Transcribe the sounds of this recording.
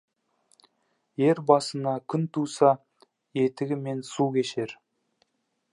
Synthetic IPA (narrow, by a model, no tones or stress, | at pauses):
je̞ɾbɑsənɑkʲʰʏnt̪ʰusɑ | je̞t̪ɪɡʲɪme̞nsukʲʰe̞ʃe̞ɾ